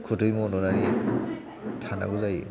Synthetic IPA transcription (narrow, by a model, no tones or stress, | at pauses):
kʰutʰɯjmɔnɔnaɾi | tʰana̰ɡuzaj